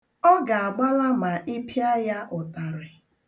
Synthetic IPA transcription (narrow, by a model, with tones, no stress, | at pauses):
ɔ˦ɡa˨a˨ɡ͡ba˦la˦ma˨ʔi˦pi˦a˦ja˦ʔʊ˨ta˨ɾɪ˨